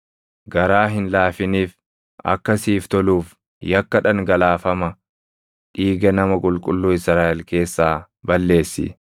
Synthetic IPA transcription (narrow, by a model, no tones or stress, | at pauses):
ɡɐɾaːɦɪnlaːfɪniːf | ɐ̰kːɐsiːft̪ɔluːf | jɐkːɐᶑɐŋɡɐlaːfɐmɐ | ᶑiːɡɛnɐmɐkʼʊlkʼʊlːuːɪsɾaːʔɛlke̞ːsːaː | bɐlːe̞ːsːɪ̰